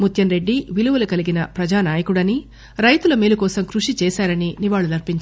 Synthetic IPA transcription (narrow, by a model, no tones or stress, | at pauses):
mut̪ʰjɐnɾe̞ɖːiʋiluʋɐlɐkɐliɡinɐpɾɐd͡ʒaːnaːjɐkuɽɐni | ɾɐjt̪ulɐmiːlukɔːsɐmkɾuʂit͡ʃɛːsaːɾɐniniʋaːɭːulɐɾpiɲt͡ʃa